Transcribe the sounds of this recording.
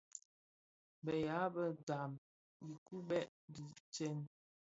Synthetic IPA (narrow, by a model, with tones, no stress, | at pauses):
bə˨ja˨˦bə˦da˨m | bi˨ku˦ɓɛ˦ʔ | di˨t͡ʃɛ˦n